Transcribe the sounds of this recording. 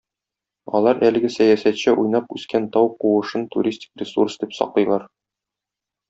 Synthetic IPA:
ɒ̰lˠɑɾʔælɘ̆ɡɘsæjæsæt̪ɕɘʔujnɑpʉskænt̪ɒwquwɤ̆ʃɤnt̪ṵɾʲisʲtʲi̥krʲɪsṵrsd̪ipsɒ̰qlˠɤ̆jlˠɑɾ

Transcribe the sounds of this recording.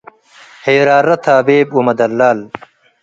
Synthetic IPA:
heːɾaːɾɐt̪ʰaːbeːbumɐd̪ɐlːaːl

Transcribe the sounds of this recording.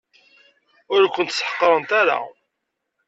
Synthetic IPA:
ʊɾkʷːənt̪sħə̥qːɾˤənt̪aɾa̰

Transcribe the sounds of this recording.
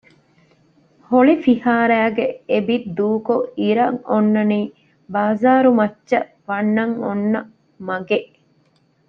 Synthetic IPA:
hoɭifihaːɾæːɡeebid̪uːkoiɾɐŋonːɐniː | baːzaːɾumɐtːʃɐ | ʋɐnːɐŋonːɐ | mɐɡeʔ

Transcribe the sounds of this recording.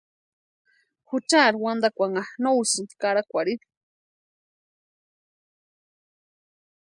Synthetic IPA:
xut͡ʃaɾwand̪akʷaŋaxnowsɨnd̪kaɾakʷaɽiɾ

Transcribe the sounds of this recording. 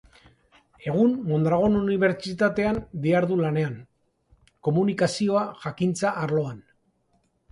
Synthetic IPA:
e̞ɣ̞unmo̞nd̪ɾaɣ̞o̞nuniβ̞e̞ɾt͡ʃit̪at̪e̞and̪iaɾðulane̞an | ko̞munikasio̞aʝakint͡saʔaɾlo̞an

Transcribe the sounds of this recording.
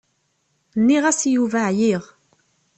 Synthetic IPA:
nːiʁæsjuvaʕjiʁ

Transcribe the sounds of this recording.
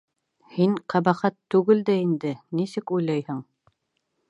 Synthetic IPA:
hiɴqɑbɑχɑt̪ːʉɡɘld̪æind̪ɘnisɘkujlˠɑjhɤɴ

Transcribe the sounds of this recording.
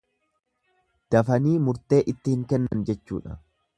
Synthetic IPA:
d̪̥ɐfɐniːmʊɾt̪e̞ːʔɪt̪ːɪhɪŋkɛnːɐnd͡ʒɛt͡ʃːṵːᶑɐ̰

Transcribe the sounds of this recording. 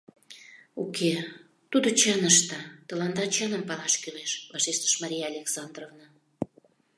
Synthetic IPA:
ukʰe | t̪ud̪ot͡ɕənəʃt̪ət̪ə̆lɑnd̪ɑt͡ɕənəmpɑlɑʃkyʁeʃvɑʃeʃt̪ə̥ʃmɑɾʲijaːlʲeksɑnd̪rovnɑ

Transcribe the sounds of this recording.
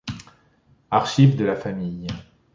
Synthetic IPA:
aʁʃivd̪əlafamij

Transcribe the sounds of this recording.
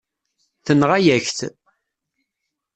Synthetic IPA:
θənʁajæçθ

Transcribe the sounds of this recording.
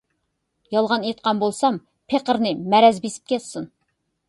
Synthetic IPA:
jɑlˠʁɑnet̪̚qɑnbolˠsɑm | pʰeqəɾnɨmɛɾɛzbesi̥p̚kʲʰɛt̪sun

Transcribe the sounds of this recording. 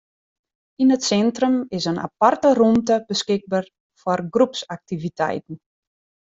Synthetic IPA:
inətsɛntrəmɪsənʔa̰partərumtəb̥əskɪɡ̚bar | fɔrɡrupsak̚tivitɛ̰jtn̩

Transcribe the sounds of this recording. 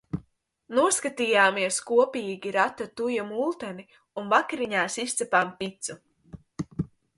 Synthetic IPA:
nuɔskat̪iːjaːmiɛskuɔpiːɡʲiɾat̪ːat̪ujamulˠt̪ɛni | unvakaɾiɲaːsist̪sɛpaːmpit̪su

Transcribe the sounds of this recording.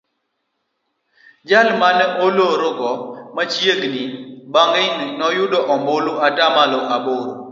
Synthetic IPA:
d͡ʒalmanɛoloɾʊɡɔmat͡ʃjeɡnibaŋɡɛnnɔjʊɗɔʔɔmboluatamalɔaboɾo̰

